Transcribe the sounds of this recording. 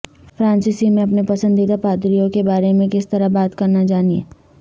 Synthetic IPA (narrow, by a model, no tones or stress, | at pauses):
fɾãːnsɪsimẽɐpnepɐsə̃nd̪it̪apaːt̪ɾijõkebaːɾemẽkɪst̪ɐɾabaːt̪kɐɾnad͡ʒaːniḛː